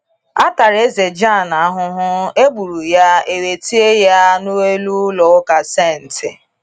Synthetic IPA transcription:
a˦ta˨ɾe˦ze˨d͡ʒa˦˨na˨a˦ɦʊ˦ɦʊ˦e˦ɡ͡bu˨ɾu˨ja˦e˨we˨ti˦e˦ja˦nu˦we˦lu˦lɔ˨ʊ˦ka˨se˦˨n̩˨tɪ˨

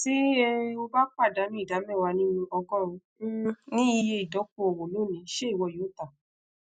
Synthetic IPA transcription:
si˦ɛ˦o˧ba˦k͡pa˦˨da˨˦mĩ˦i˦˨da˨˦mɛ̃˦˨wa˧nĩ˦nũ˧ɔ˧kɔ̃˦ɾ̃ũ˧˦nĩ˦i˧je˧i˨dɔ˨˦k̚o˦o˨wõ˨lo˨˦˨nĩ˨˧˦ʃe˦i˦˨wɔ˧˨o˨˦ta˦˨

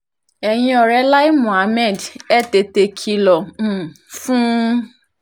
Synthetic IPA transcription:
ɛ˨j̃ĩ˧ɔ˨ɾɛ˧˦la˦i˦mũ˨a˨˦mɛ̃˦˨dɛ˦˨te˧te˧kʰi˧lɔ̃˨ | fũ˦

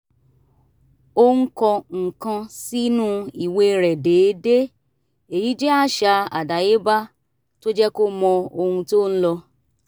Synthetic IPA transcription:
o˧h̩˦kɔ˧ŋ̩˨kã˧si˦nũ˦i˨we˧ɾɛ˨de˨˦de˦ | e˨ji˨˦d͡ʒɛ˦a˦˨ʃa˧a˨da˨je˨˦ba˦ | to˦d͡ʒɛ˦ko˦mɔ̃˧o˧hũ˧to˦n̩˦lɔ˧

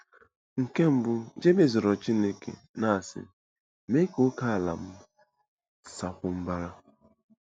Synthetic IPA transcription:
ŋ̩˨ke˦m̩˨bʊ˨d͡ʒe˦be˦˨zɔ˨ɾɔ˨t͡ʃi˦ne˦kḛ˨ | na˦a˨sɪ̰˨ | me˦ko˦ka˦a˨la̰˨m̩˦ | sa˨kʷʊ˨m̩˦ba˦ɾa˦

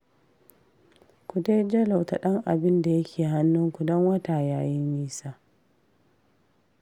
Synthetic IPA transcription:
kʷu˨de˦jd͡ʒɐ˦la˨wta˨ɗɐ˦ŋʔa̰˨bɪ˦nda˨jɐ˦kʲʰeː˨ɦa˦nːʊ˦ŋkʷu˨dɔ˦ŋwɐ˦ta˨jaː˦jɪ˦ɲjiː˦saː˦

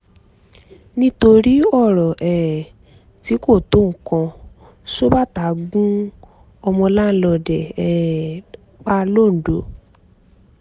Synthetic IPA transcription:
nĩ˦to˧ɾi˦ɔ˦˨ɾɔ˨ʔɛ˨ | ti˨˦ko˦˨to˨˦ŋ̩˨kã˧ | ʃo˦ba˦˨ta˨˦ɡũ˦ | ɔ˧mɔ̃˧la˦lɔ˧˨dɛ˨ɛ˨ | k͡pa˦lo˦˨n̩˨do˨˦

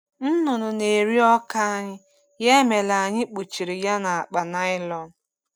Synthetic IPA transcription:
n̩˦nʊ˨nʊ˨ne˨ɾi˦ɔ˦ka˦a˦ɲɪ˦ | je˦me˨la˨ɲɪ˦k͡pu˨t͡ʃi˨ɾi˨ja˦na˨a˨k͡pa˨na˦ɪ˦lɔ˦n˨

